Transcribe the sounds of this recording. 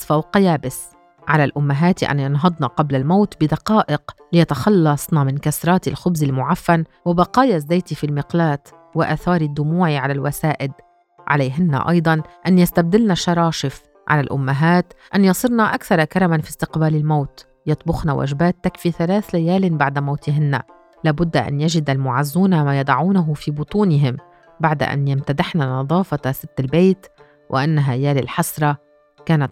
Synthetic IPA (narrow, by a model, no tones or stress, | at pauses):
fawqajaːbɪs | ʕalalʔʊmːaɦaːt̪iʔa̰njɑnɦɑd̪ˤnɑqɑblalmoːt̪bɪd̪ɑqɑːʔɪqlɪjɑt̪ɑxɑlːɑsˤnɑmɪnkasɾˤɑːt̪ɪlxʊbzɪlmʊʕafːanwɪbɑqɑːjazd̪ajt̪ifilmɪqlaːt̪ | wɪʔaθɑːɾˤɪd̪ːʊmuːʕiʕalalwasaːʔɪd̪ | ʕa̰lajɦɪnːa̰ʔɑjd̪ˤɑnʔanːjast̪ab̚d̪ɪlnaʃɑɾˤɑːʃɪf | ʕa̰lalʔʊ̰mːaɦaːt̪ʔanːjɑsˤɨɾnaʔakθɑɾˤɑkɑɾˤɑmanfist̪ɪqbaːlɪlmoːt̪ | jɑt̪ˤbʊxnawa̰ʒbaːt̪ːakfiθalaːθlajaːlɪnbaʕd̪mowt̪ɪɦɪnːa̰ | laːbʊd̪ːʔa̰njaʒɪd̪almʊʕazːuːnamajɑd̪aʕuːnaɦʊfibʊt̪ˤuːnɪɦɪm | baʕd̪ʔa̰njamt̪ad̪ɪħnanɑðˤɑːfɑt̪sɪt̪ːɪlbeːt̪ | wʔɪ̰ʔanːaɦajaːlḭlħɑsɾˤɑ | kaːnat̪